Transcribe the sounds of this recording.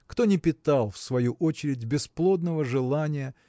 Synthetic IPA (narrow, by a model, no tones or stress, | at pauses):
kt̪o̞nʲɪpʲɪt̪alˠfsvɐjuʔot͡ɕɪɾʲɪdʲbʲɪsplˠo̞d̪nəvəʐɨlˠanʲɪjə